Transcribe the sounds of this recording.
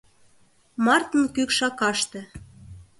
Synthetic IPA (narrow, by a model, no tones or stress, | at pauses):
mɑrt̪ə̆nkykʃɑkɑʃt̪ĕ